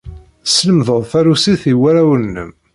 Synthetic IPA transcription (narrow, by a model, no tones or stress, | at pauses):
sləmðəðˤθæɾusiθiwæɾæwənːə̰m